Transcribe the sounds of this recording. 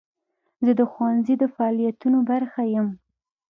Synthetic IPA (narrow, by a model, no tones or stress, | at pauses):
zəd̪əxwanzid̪əfaɑlijat̪unobaɾxajəm